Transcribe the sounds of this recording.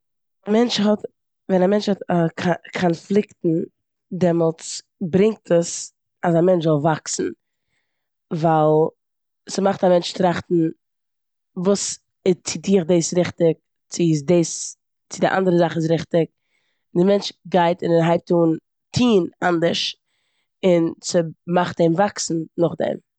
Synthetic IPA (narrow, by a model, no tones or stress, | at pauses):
amɛnt͡ʃhɔt | vɛnamɛnt͡ʃhɔtakʰkʰɔnflˠɪktn̩ | dɛmɔlˠt͡s | bɾɪŋk̚tʰəs | asamɛnt͡ʃzɔlˠvaksn̩ | valˠ | smaχtamɛnt͡ʃtɾaχtn̩ | vuːs | ɪt͡sɪdiːχdeːsɾɪχtɪk̚ | t͡sɪdeːs | t͡sɪdɪʔa̰ndəɾəzaχɪs̬ɾɪχtɪk̚ | dɪmɛnt͡ʃɡaɪtɪnɪɦaɪp̚tuːn | tʰiːnandəɾʃ | ɪnt͡sɪmaχtdemvaksn̩nʊχdɛ̰m